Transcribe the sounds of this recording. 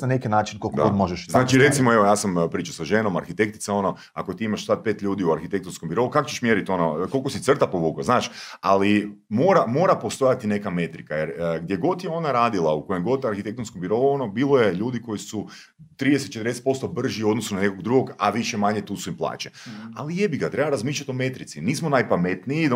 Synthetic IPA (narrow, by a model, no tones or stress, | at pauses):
nanekenaːt͡ʃinkokɡo̰ɡod̪moʒeʃznaːt͡ʃiɾe̞t̪simo̞e̞ʋojaːsampɾiːt͡ʃḁsaʒenoma̰ɾxit̪e̞kt̪i̥t̪ao̞no̞ | ako̞t̪iimaʃsat̪̚pe̞ːt̪ʎʲuːd̪iuaɾxit̪e̞kt̪onskombiɾo̞ukakot͡ɕeʃmjeɾit̪o̞noko̞lˠkosit̪r̩t̪apoʋukoznaːʃalimo̞ːɾamo̞ːɾapo̞st̪o̞jat̪ine̞kame̞t̪ɾikajeɾɡd̪jeɡo̞t̪jeo̞naɾaːd̪ilˠauko̞jemɡo̞t̪aɾxit̪e̞kt̪onskombiɾo̞uo̞nobiːlˠo̞je̞ʎuːd̪iko̞jisu | t̪ɾid̪eset̪t͡ʃet̪ɾd̪eset̪̚po̞st̪o̞br̩ʒiuo̞d̪nosunane̞koɡd̪ɾuɡo̞ɡa̰ʋiʃemaɲet̪uːsuimplˠa̰ːt͡ʃea̰lijebiɡat̪ɾebaɾazmiːʃʎat̪o̞me̞t̪ɾit̪siniːs̬monajpame̞t̪nii